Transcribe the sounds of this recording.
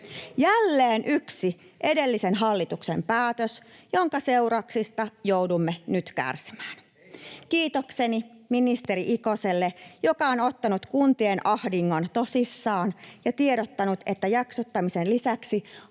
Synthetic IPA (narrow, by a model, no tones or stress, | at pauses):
jælːeːnʔyksi | ʔe̞de̞lːisenɦɑlːit̪uksḛmpæːt̪øsjo̞ŋkɑse̞uɾɑksist̪ɑjowdumːenyt̪kæ̰rsi̥mæːn | kiːt̪okseniminist̪e̞ɾiʔikoselːejokɑonot̪ːɑnut̪kunt̪ienʔɑhdiŋːont̪o̞sisːɑːnjɑt̪ieɾot̪ːɑnut̪e̞t̪ːæjɑksot̪ːɑmisenlisæksi